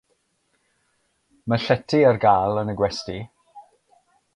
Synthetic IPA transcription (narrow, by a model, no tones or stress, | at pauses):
məɬɛtʰiərɡaːlˠənəɡwɛsti